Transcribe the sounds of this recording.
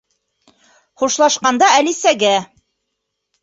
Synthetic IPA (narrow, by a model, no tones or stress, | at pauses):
χuʃlˠɑʃqɑnd̪ɑælisæɡæ